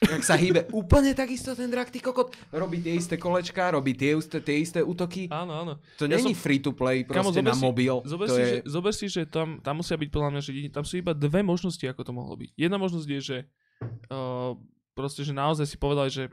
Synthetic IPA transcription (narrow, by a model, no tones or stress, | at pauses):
aksaɦiːbɛuːpl̩ɲɛt̪aɡist̪ɔt̪ɛnd̪ɾakt̪ikɔkɔt̪ɾɔbiːt̪ɪɛist̪ɛkɔlɛt͡ʃkaɾɔbiːt̪ɪɛust̪ɛt̪ɪɛist̪ɛuːt̪ɔkiaːnɔaːnɔt̪ɔɲaɛɲifɾiːt̪uplɛjpɾɔkamɔzɔɛnɛasmɔbilzɔbɛɾɔsijɛʒɛzɔbɛɾsiʒɛt̪amt̪amːusɪabic̚pɔd̪lamɲaʒɛɛɲit̪amsuːibad̪ʋɛmɔʒnɔsciakɔt̪ɔmɔ̰ɦlɔ̰bḭɟjɛd̪namɔʒnɔzɟjɛʒɛ | ə | pɾɔscɛʒɛnaɔzajsi̥pɔʋɛd̪aliʒɛ